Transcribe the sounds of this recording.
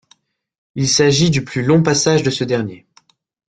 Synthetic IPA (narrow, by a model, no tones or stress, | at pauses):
ilsaʒid̪yplylɔ̃pasaʒd̪əsəd̪ɛʁnje